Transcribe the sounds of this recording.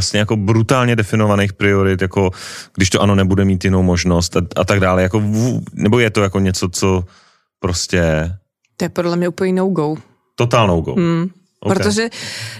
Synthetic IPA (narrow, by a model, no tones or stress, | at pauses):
asɲɛjako̞bɾut̪aːlɲɛdɛfɪno̞vanejxpɾɪoɾɪt̪jako̞ɡ̥dɪʃt̪oʔanonɛbudɛmiːt̪jɪnowmoʒno̞st̪aa̰t̪aɡdaːlɛjako̞vunɛbo̞jɛt̪ojako̞ɲɛt͡so̞t͡so | pɾoscɛ | t̪ojɛpɾodlɛmɲɛupl̩ɲinowɡow | t̪ot̪aːlnowɡo̰w | ʔo̰pɾot̪oʒɛ